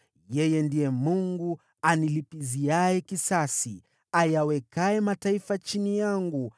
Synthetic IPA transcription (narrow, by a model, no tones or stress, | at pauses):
jɛjɛndiɛmuŋɡu | anilipiziajɛkisasi | ajawɛkaɛmataifat͡ʃinijaŋɡu